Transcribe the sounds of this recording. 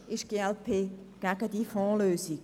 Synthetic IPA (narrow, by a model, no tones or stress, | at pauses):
ɪʃɡ̥eːɛlpʰeː | ɡ̥æɡədifɔ̃ːløːsi̥